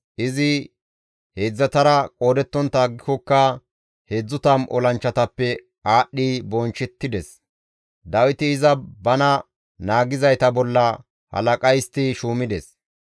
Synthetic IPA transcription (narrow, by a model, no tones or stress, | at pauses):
ʔɪzɪ | heːd͡zːɐt̪ɐɾɐkʼo̞ːd̪ɛt̪ːɔnt̪aːɡːɪkɔkːɐ | heːd͡zːʊt̪ɐmʔɔ̰lɐnt͡ʃːɐt̪ɐpːɛ | aːɗːibɔnt͡ʃːɛt̪ːɪd̪ɛs | d̪ɐwɪt̪ɪːzɐbɐnɐ | naːɡɪzɐjt̪ɐbɔlːɐ | hɐ̰lɐkʼɐjst̪ɪʃuːmɪd̪ɛs